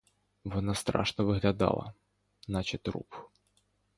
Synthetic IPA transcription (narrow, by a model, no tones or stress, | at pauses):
vɔnast̪ɾa̰ʂnɐvɨɣlʲad̪a̰lˠɐ̰ | nat͡ɕɪt̪ʲrṵp